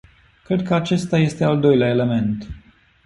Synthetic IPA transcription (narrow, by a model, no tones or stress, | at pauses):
kɾe̞d̪̚kəat͡ʃe̞st̪aje̞st̪eald̪o̞jleaele̞me̞nt̪